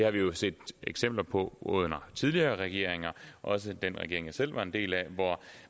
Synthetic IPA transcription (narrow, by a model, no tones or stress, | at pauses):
d̥e̝hɑ̈ʋijo̝se̝̰ːd̥eɡ̥sem̰b̥lɐpʰɒ̽ʔɔ̰ð̰ˠnɐt͡sʰið̞ˠliɐːʁɛɡ̥e̝ɐ̰e̝ŋɐʔɒ̽s̬əd̥enʁɛɡ̥e̝ɐeŋjɑ̈sel̰ʋɑ̈e̝nd̥e̝̰ːlæʋɒ